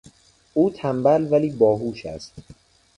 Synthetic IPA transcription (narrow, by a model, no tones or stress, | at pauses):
ʔuːt̪ʰæmbælvæliːbɒːɦuːʃæ̰st̪